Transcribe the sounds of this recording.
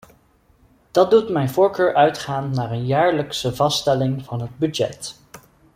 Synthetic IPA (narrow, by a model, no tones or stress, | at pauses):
d̥ɑt̚dutmɛjnvʊːɹkøːɹʔœɥtχaːnːaːrənjaːɹləksəvɑstɛlɪŋvɑnɦəd̚bydɛ̰t